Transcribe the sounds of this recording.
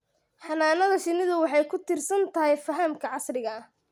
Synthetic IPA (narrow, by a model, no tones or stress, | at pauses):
ħɑnaːnɐðɐʃɪnɪðʊwɑħɑjkʰʊt̪ʰɪrsɐnt̪ʰɐɦɛjfɐɦɐmkʰɐʕɑsrɪɣɐ